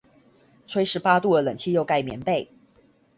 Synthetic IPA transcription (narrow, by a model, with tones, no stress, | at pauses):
t͡sʰwe˥ɪʂɻ̩˧˥pa˥t̪u˥˨˩ə˩lə˨˩ŋt͡ɕʰi˥jo˥˧ʊka˥˩ɪmjɛ̰˧˥˦npe˥˩ɪ